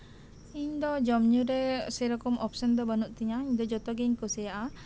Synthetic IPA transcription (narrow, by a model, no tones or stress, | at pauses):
iɲd̪ɔd͡ʒɔmɲuɾɛsɛɾɔkɔmɔpsənd̪ɔbanuʔt̪iɲaiɲd̪ɔd͡ʒɔt̪ɔɡɛɲkɔsɛaʔa